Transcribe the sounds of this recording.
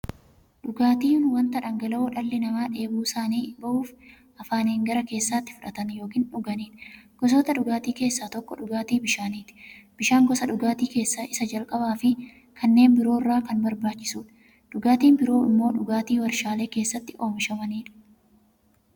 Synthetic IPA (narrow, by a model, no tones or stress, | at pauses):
ᶑʊɡaːt̪iːnwɐnt̪ɐᶑɐŋɡɐlɐːᶑɐlːɪnɐmaːᶑe̞ːbuːsaːniːbɐʔuːf | ʔɐfaːneːŋɡɐɾɐke̞ːsːaːt̪ːɪ̥fʊᶑɐt̪ɐnjo̞ːkiːnᶑʊɡɐniːᶑɡ̥ɔs̬ɔːt̪ɐᶑʊɡaːt̪iːke̞ːsːaːt̪ɔkːɔᶑʊɡaːt̪iːbɪʃaːniːt̪ɪ̥b̥ɪʃaːŋɡɔsɐᶑʊɡaːt̪iːke̞ːsːaːʔɪsɐd͡ʒɐlkʼɐbaːfɪ | kʰɐnːe̞ːnbɪɾo̞ːɪrːaːkɐnbɐɾbaːt͡ʃːɪ̥suːᶑɐ̥ | ᶑʊɡaːt̪iːnbɪɾo̞ːɪmːoːᶑʊɡaːt̪iːwɐɾʃaːle̞ːke̞ːsːɐt̪ːɪʔo̞ːmɪʃɐmɐniːᶑɐ̥